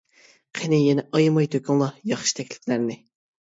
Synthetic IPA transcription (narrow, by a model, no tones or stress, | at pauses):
qʰenɪjɛnɛʔɑjmɑjt̪ʰøkʲyŋlˠɑjɑχʃi̥t̪ʰɛkʲlɪ̥kʲlæɾnɪ